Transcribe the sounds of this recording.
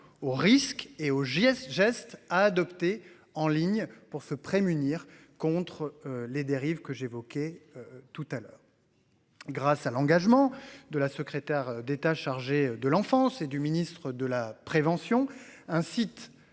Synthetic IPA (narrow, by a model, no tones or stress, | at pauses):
oʁiskeoʒsʒɛst̪aːd̪ɔpt̪e | ɑ̃liɲpuʁsəpχemyniʁ | kɔ̃t̪χled̪eʁivkəʒevɔkʲeøt̪ut̪alœːʁ | ɡʁasalɑ̃ɡaʒmɑ̃d̪əlasəkχet̪ɛʁd̪et̪aʃaʁʒed̪əlɑ̃fɑ̃sed̪yminist̪χəd̪əlapχevɑ̃sjɔ̃ɛ̃sit̪